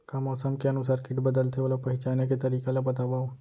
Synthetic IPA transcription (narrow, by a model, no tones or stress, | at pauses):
kamɔːsəmkeɐnʊsaːɾkɪʈbɐd̪əlt̪ʰeolopɐɦɪt͡ʃaːneket̪ɐɾiːkelabɐt̪abaːo